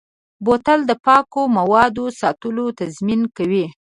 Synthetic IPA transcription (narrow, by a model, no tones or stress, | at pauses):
bot̪ald̪əpɑkomawɑd̪osɑt̪əlot̪azminkawi